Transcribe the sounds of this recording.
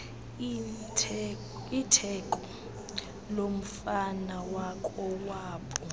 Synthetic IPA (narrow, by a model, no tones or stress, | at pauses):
itʰɛkʼɔ | lom̩fanawakʼɔwaːɓɔ